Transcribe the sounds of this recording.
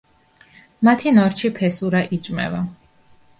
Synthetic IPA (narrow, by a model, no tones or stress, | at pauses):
mat̪ʰinɔɾt͡ʃʰipʰɛsuɾaʔit͡ʃʼmɛ̰va